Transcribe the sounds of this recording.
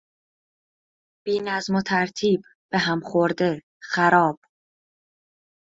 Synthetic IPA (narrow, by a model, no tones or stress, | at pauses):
b̥iːnæzmot̪ʰæɾt̪ʰiːb | b̥eɦæmχoɾd̪e̞ | xæɾɒːb̥